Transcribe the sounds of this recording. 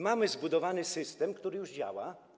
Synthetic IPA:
mamɘzbud̪ɔvanɘsɘst̪ɛmkt̪uɾɘjuʐd͡ʑa̰wa

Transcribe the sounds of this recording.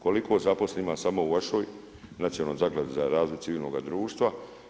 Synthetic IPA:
ko̞likʰo̞ːzapo̞sleimasamo̞uʋaʃoːj | nat̪sijolnomzaɡlad̪uzaɾaːzlojt̪siʋiːlno̞ɡad̪ɾuːʃt̪ʋa

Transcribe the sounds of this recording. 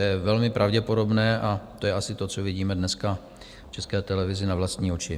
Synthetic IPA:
jɛvɛlmɪpɾʔavɟɛpo̞do̞bnɛːʔat̪ojɛʔasɪt̪o̞t͡sovɪɟiːmɛdnɛska | ft͡ʃɛskɛːt̪ɛlɛvɪzɪnavlast̪ɲiːot͡ʃɪ

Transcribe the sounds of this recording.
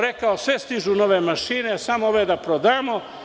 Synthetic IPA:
ɾekaosʋest̪iʒunoʋemaʃine̞samooʋed̪apɾod̪aːmo

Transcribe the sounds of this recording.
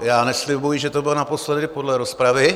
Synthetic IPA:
jaːnɛslɪbujiʒɛt̪obɪlnapo̞slɛdɪpodlɛɾospɾavɪ

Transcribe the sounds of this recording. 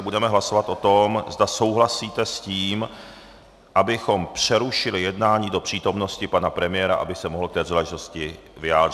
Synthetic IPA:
ɛbudɛmɛɦlaso̞vat̪ʔo̞t̪o̞mzd̪aso̞wɦlasiːt̪ɛsciːm | ʔabɪxo̞mpr̝̥ɛɾuʃɪlɪjɛdnaːɲiːdo̞pr̝̥iːt̪o̞mno̞scɪpanapɾɛmɪjɛɾa̰ʔa̰bɪsɛmoɦl̩kt̪ɛːzalaʒɪt̪o̞scɪ | vɪjaːd̪rɪ

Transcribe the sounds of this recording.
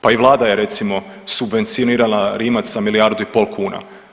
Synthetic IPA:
paiʋlˠaːd̪aje̞ɾe̞t̪simo̞ | subʋe̞nt̪sioniːɾalaɾiːmasamilijaɾd̪uipo̞lˠkʰuːna̰

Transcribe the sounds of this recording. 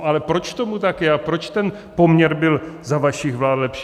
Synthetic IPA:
ʔalɛpɾo̞t͡ʃt̪o̞mut̪akjɛapɾo̞t͡ʃt̪ɛn | po̞mɲɛɾbɪlzavaʃɪxvlaːdlɛpʃ

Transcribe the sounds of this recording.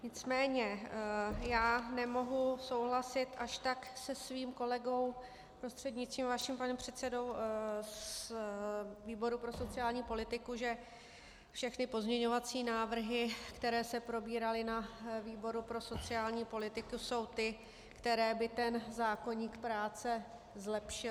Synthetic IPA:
ɲɪt͡smɛːɲɛ | jaːnɛmo̞ɦuso̞wɦlasɪt̪ʔaʃt̪aksɛsviːmko̞lɛɡo̞w | pɾo̞st̪r̥ɛd̪ɲɪtt͡st̪viːmvaʃimpanɛmpr̝̥ɛt̪sɛdo̞ws | viːbo̞ɾupɾo̞so̞t͡sɪaːlɲiːpo̞lɪt̪ɪkuʒɛ | fʃɛxnɪpo̞zmɲɛɲo̞vat͡siːnaːvr̩ɦɪkt̪ɛɾɛːsɛpɾo̞biːɾalɪnaviːbo̞ɾupɾo̞so̞t͡sɪaːlɲiːpo̞lɪt̪ɪkuso̞wt̪ɪ | kt̪ɛɾɛːbɪt̪ɛnzaːko̞ɲiːkpɾaːt͡sɛ | zlɛpʃɪ

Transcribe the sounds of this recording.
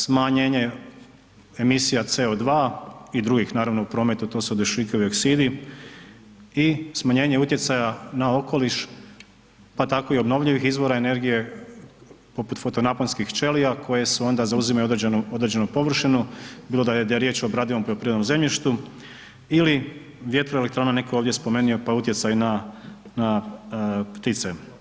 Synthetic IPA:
smaɲeːɲe̞ | emisijat̪se̞od̪ʋaːid̪ɾuɡixnaːɾaʋno̞upɾo̞ːme̞t̪ut̪o̞ːsuod̪ʋiʃiːkeuioksid̪i | ismaɲe̞ːɲe̞ut̪je̞t̪sajanao̞ko̞liʃ | pat̪ako̞io̞bno̞ʋʎiʋixizʋo̞ɾaene̞ɾɡije̞ | po̞put̪fo̞t̪o̞naponskixt͡ʃe̞lijakʰo̞je̞seo̞nd̪azauzimaod̪nuo̞d̪ɾed͡ʑd͡ʒe̞nupo̞ʋr̩ʃinubiːlod̪ad̪ajeɾje̞ːt͡ɕobɾaːd̪iʋompɾoopɾied̪nomze̞mʎiʃt̪u | ili | ʋje̞t̪ɾoelekt̪ɾaːnanekooːʋd̪je̞spo̞me̞ːnio̞paut̪je̞t̪sajunana | pt̪it̪se

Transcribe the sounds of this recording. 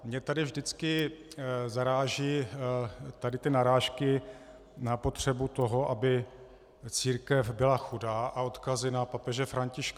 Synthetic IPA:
mɲɛt̪adɪvʒdɪt͡skɪ | zaɾaːʒiː | t̪adɪt̪ɪnaɾaːʃkɪ | napo̞t̪r̝̥ɛbut̪o̞ɦo̞ʔabɪ | t͡siːɾkɛfbɪlaxudaːʔao̞t̪kazɪnapapɛʒɛfɾaɲcɪʃka

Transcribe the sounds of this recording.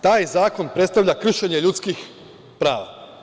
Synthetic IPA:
t̪aːjzaːko̞npɾe̞t̪st̪aʋʎʲakr̩ʃeɲeʎut̪skix | pɾaːʋa̰

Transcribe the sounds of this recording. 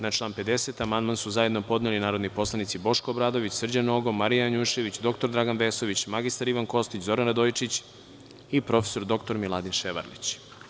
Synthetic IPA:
nat͡ʃlˠaːnpe̞d̪e̞set̪amand̪mansuzajed̪nopo̞d̪nelinaːɾo̞d̪nipo̞slˠanit̪sibo̞ʃkoːbɾaːd̪o̞ʋit͡ɕsr̩d͡ʑanoɡomaɾijaaɲuʃe̞ʋit͡ɕd̪o̞kt̪oɾd̪ɾaɡanʋeːso̞ʋit͡ɕmaɡist̪aɾiʋanko̞st̪it͡ɕzo̞ɾanɾad̪ojt͡ʃit͡ɕ | ipɾo̞feso̞ɾd̪o̞kt̪o̞ɾmilˠad̪inʃeʋa̰ɾlḭt͡ɕ

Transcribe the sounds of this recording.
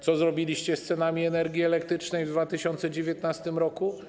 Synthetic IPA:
t̪sɔzɾɔbʲilʲiɕt͡ɕɛst̪sɛnamʲiɛnɛɾɡʲiɛlɛkt̪ɾɘt͡ʂnɛjvd̪vat̪ɘɕɔnt̪sɛd͡ʑevʲjɛt̪nast̪ɘmɾɔku

